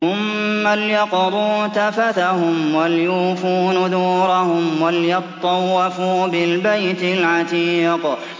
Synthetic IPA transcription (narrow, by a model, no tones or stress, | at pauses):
ʊmː | aljɑqd̪ˤuːt̪afat̪ahʊmwaljuːfuːnd̪uːɾˤahʊmwaljɑt̪ˤːɑwːafuːbɪlbajt̪ɪlʕɑt̪iːq